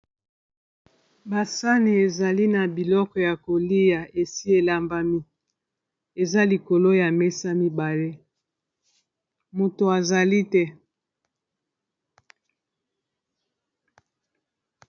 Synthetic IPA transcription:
ba˨sa˦ni˨e˨za˨li˦na˨bi˨lɔ˦kɔ˨ja˨ko˨li˦ja˨e˨si˦e˨la˨mba˨mi˦ | e˨za˦li˨ko˨lo˦ja˨mɛ˦sa˦mi˦ba˨le˦ | mo˨to˨a˨za˨li˦tɛ˦

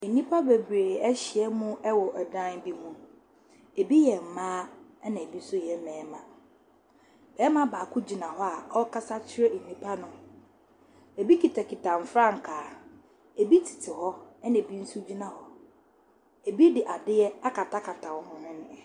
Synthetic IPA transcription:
e˨nĩ˦pʰa˦be˨bɾe˨ɛ˦ɕɪ˨ɛ˦mũ˦ɛ˦wɔ˨ʔɛ˨dã˦n˦bi˦mũ˦ | e˨bi˦jɛ˨m̩˨mãː˦ɛ˦nã˨e˨bi˦n̩˦sʊ˦jɛ˨˦mɛ̃ː˨˦mã˨ | b̥ɛː˦mã˦baː˨kʰʊ˦d͡ʑi˨nã˨ɦɔ˦a˨ɔ˦kʰa˦sa˦t͡ɕʰɪ˦ɾɛ˦n̩˨nĩ˦pʰa˦nʊ̃˨ | e˨bi˦ki˨tʰa˨kʰɪ˨tʰã˨m˨fɾã˦˨ŋ̩˨kʰaː˨ | e˨bi˦tʰi̥˨tʰɪ˨ɦɔ˦ɛ˦nã˨e˨bi˦n̩˦sʊ˦d͡ʑi˦nã˨hɔ˦ | e˨bi˦dɪ˨ʔa˨dɪ˦ɛ˦a˦kʰa˨ta˦kʰa˨tʰa˨wɔ˨hʊ̃˨hʊ̃˦ñ˦˨

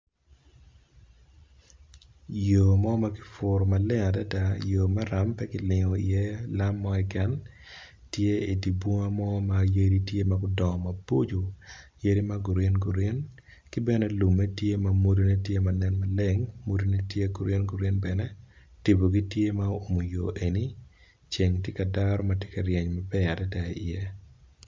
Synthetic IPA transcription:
jo˨mɔ˦ma˦kɪ̥˨˦fʊ˨ɾma˨le˦ŋa˨da˦da˦joː˨ma˦ɾa˦mpɛ˦kɪ˨lɪ˨ŋɔ˨ɪ̰˨je˦la˦mːɔ˦ɛ˦kɛ˦n | tje˦i˨di˨bwɔ˦ŋa˦mɔ˦ma˨je˦ɾi˦tje˦ma˨ɡʊ˦dɔ˨ma˨bo˦d͡ʒo˨je˦ɾi˦ma˦ɡu˨ɾe˦nɡu˨ɾe˦n | kɪ˦bɛ˦nɛ˦lu˨mːɛ˦tje˦ma˨mo˦do˦ne˦tje˦ma˨nɛ˦nma˦le˦ŋmo˦do˦ne˦tje˦ɡu˨ɾe˦nɡu˨ɾe˦nbɛ˨nɛ˦ | ti˨bo˨ɡi˦tje˦ma˦o˦o˨mo˨jo˨ʔe˨ni˦ | t͡ʃe˨ŋtje˦ka˨daɾɔ˦ma˦tje˦ka˨ɾje˨ɲma˨bɛ˦a˨dɛ˦dɛ˨˦i˨je˦

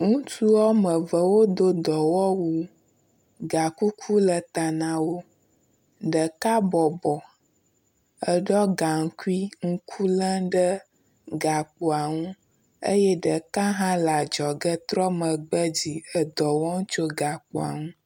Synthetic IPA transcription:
ŋũ˦t̪u˦wɔ˦mə˨və˨wo˦d̪o˦d̪ɔ˨wɔ˦wu˦ | ɡa˨ku˦kʰu˦lə˨t̪a˨nã˨wo˦ | ɖə˨ka˦bɔ˨bɔ˨ | ə˦˨ɖɔ˦ɡa˨ŋ̩˦ku˦i˦ŋ̩˦kʰu˦lə̃˦ɖə˦ | ɡa˨k͡po˨a˨ŋũ˦ | ə̰˦jɛ˦ɖə˨ka˦ɦã˦la˨d͡ʒɔ˨ɡə˦t̪ɾɔ˦mə˨ɡ͡bə˦d͡ʑi˨ə˨d̪ɔ˨wɔ˦ŋ˦t͡ʃo˦ɡa˨k͡po˨a̰˨ŋũ˦

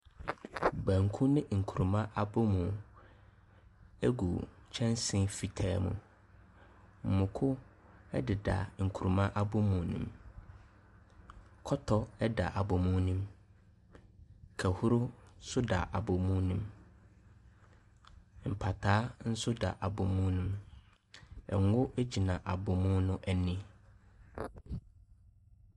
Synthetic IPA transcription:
bæ̃˨ŋ˨kʰũ˦nɪ̃˦ŋ̩˨kʰu˨ɾu˨mã˦ʔa˨bʊ˦mũ˨ | ɛ˦ɡṵ˨t͡ɕʰɛ̃˦nsɪ̃˦fi˨tʰaː˦mṵ̃˨ | m̩˨mʊ̃˨kʰʊ˦ | ɛ̰˦dɪ˨da̰˨ŋ̩˨kʰu˨ɾu˨mã˦ʔa˦bʊ˦mũ˨nḭ̃˦m | kʰɔ˦tʰɔ˦ɛ˦da̰˨ʔa˨bʊ˨mũ˦nĩ˦m | kʰæ˨hʊ˦ɾʊ˦sʊ˦da˨ʔa˨bɔ˨mũ˦nũ˦m | m̩˨pʰa˨tʰaː˨˦n̩˦sʊ˦da̰˨ʔa˨bʊ˨mũ˦nũ˦m | ɛ̰˨ŋ˦ʊ˦ʔæ˦d͡ʑi˨nã˨ʔa˨bʊ˨mũ˦nʊ̃˦ʔɛ˨nĩ˦

